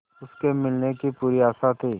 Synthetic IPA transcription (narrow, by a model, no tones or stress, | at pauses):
ʊskemɪlnekipuːɾiaːsat̪ʰiː